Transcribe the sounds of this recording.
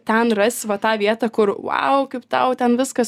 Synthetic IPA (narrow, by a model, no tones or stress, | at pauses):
t̪ʲɛnrɐsʲʋɐt̪ɑːʋʲiɛt̪ɑːkʊɾʋɐ̰ʊkɐɪpt̪ɐʊt̪ʲɛnʋʲɪskɐs